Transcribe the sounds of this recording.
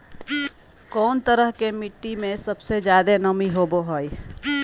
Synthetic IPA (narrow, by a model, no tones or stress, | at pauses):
koːnt̪əɾəɦkemɪʈːimẽsəbsed͡ʒjaːd̪enəmiɦoːboɦoi